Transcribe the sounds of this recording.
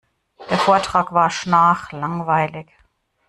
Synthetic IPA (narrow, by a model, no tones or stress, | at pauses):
d̥eːɐfoːɐtʁ̥aːkv̥aːɐʃnaːχlaŋvaɪlɪç